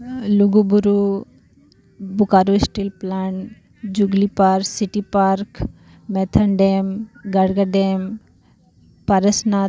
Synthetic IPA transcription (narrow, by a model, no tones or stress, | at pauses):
luɡubuɾu | bukaːɾosʈilplaɳ | d͡ʒuɡlipaɾsiʈipaːɾk | mɛt̪ʰɐɳɖemɡɐɽɡaɖem | pɐɾəsnaː